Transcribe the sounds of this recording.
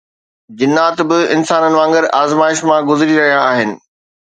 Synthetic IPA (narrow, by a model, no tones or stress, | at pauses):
d͡ʑɪnːaːt̪bɪɪnsaːnənɪ̆ʋãːŋɡəɾaːzmaːɪʃmãɡʊzɾiɾɐɦijaːɦɪnɪ̆